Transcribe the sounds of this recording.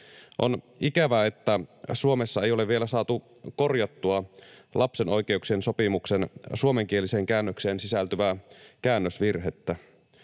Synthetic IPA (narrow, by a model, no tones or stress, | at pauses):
ʔo̞̰n | ikæʋæet̪ːæsuomesːɑe̞jole̞ʋʋielæsɑːt̪u | ko̞rjɑt̪ːuɑlʔɑpse̞no̞jk̟e̞uksienso̞pimuksensuomeŋk̟ieliseːŋkæːnːøkse̞ːnsisælt̪yʋækæːnːøsʋirɦet̪ːæ